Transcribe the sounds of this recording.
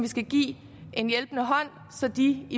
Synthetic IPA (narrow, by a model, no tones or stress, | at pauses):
ʋisɡ̥æɡ̥ḭː | e̝njelb̥nəɦɒ̽n̰ | sɒ̽d̥ii